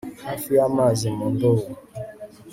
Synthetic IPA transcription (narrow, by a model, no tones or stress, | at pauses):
afiamazimɔ̃ndowo